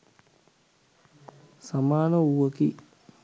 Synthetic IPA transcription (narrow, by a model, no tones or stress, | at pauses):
samaːnəuʋəki